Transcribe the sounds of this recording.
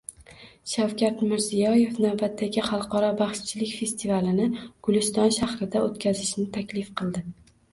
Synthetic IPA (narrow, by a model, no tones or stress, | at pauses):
ʃawkʲat̪mɪɾzijɒje̞fnawbat̪ʰːaɡʲɪχɑlˠqʰɒɾɒbaχʃt͡ʃʰɪlɪkʲfe̞st̪ʰivalɪnɪɡ̥ʊlɪst̪ɒnʃahɾɪd̪aot̪kʲʰazɪʃnɪt̪ʰakʲlɪfqʰɨlˠd̪ɪ